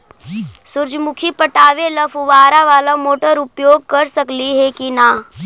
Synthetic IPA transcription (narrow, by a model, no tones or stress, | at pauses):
sʊɾd͡ʒmʊkʰipəʈaːʋelɐfʰʊʋaːɾaʋaːlamoːʈəɾʊpjoːɡ̚kɐɾsəkliɦɛkinaː